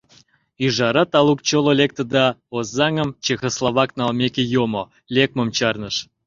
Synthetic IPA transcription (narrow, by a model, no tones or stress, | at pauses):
iʒɑɾɑt̪ɑlˠuk̚t͡ɕololʲek̚t̪ə̆d̪ɑozːɑŋə̆mt͡ɕexoslˠɑβɑknɑlmʲekʲejomo | lʲek̚mə̆mt͡ɕɑrnəʃ